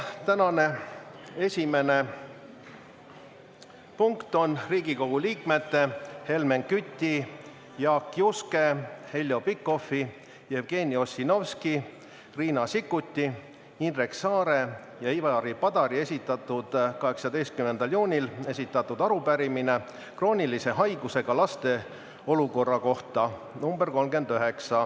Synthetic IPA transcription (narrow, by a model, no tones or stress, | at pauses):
t̪ænɑne̞ | e̞sʲime̞ne̞ | puŋkt̪o̞nriːɡ̥iko̞ɡ̥uliːkme̞t̪ːehe̞lme̞ŋkyt̪ʲːi | jɑːkːjuske̞he̞lʲjo̞pikːo̞fi | jevɡ̥e̞ːnʲio̞sino̞vski | riːnɑsikːˑut̪ʲːi | inreksɑːɾe̞ | jɑivɑɾipɑd̪̥ɑɾie̞sʲit̪ːˑɑt̪ːˑud̪̥kɑɦe̞ksɑd̪e̞jst̪̚kyme̞nd̪̥ɑljuːnʲile̞sʲit̪ːˑɑt̪ːˑud̪ɑɾupæɾimine̞ | kro̞ːnʲilise̞ɦɑjɡ̥use̞ɡ̥ɑlɑst̪e̞ | o̞luko̞rːɑko̞ht̪ɑ | numbe̞rko̞lmɡe̞nd̪øɦe̞ksɑ